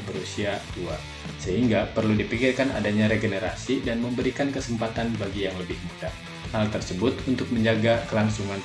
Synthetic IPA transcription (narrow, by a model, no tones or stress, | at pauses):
bəɾusiat̪ua | səɦiŋɡapərludipikɪrkana̰daɲaɾeɡənəɾasidanməmbəɾikankəsəmpat̪anbaɡijaŋləbɪhmut̪a | halt̪ərsəbʊt̪unt̪ʊk̚məɲd͡ʒaɡakəlaŋsuŋan